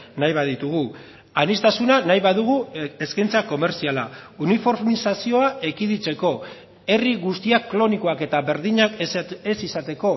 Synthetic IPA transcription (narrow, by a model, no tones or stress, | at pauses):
najβaðit̪uɣu | anist̪asunanajβaðuɣ̞ue̞skajnt͡sako̞me̞ɾsiala̰unifo̞ɾmisasio̞aʔe̞kiðit͡se̞ko̞ | e̞riɣust̪iakːlo̞niko̞ake̞t̪aβe̞ɾðiɲakesisat̪e̞ko̞